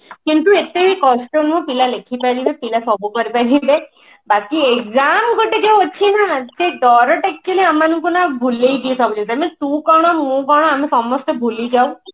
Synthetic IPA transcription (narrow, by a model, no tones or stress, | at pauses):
kint̪uet̪ebikɔsʈɔnmũpilalekʰipaɾibepilasɔbukɔɾipaɾibe | bakiekzamɡoʈeɡawɔt͡ʃʰinad͡ʒed̪ɔɾɔʈakːeleamanuŋkunabʱulejɡiesɔbud͡ʒint̪amẽt̪ũkɔɽ̃ɔmũkɔɽ̃ɔ̃amisɔmɔst̪ɔbʱuliɡaw̃